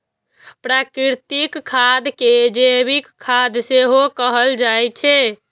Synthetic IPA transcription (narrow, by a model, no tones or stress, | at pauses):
pɾakɾiɾt̪ikʰːad̪ked͡ʒeβikkʰːad̪seɦokəɦəld͡ʒajt͡ʃʰɛ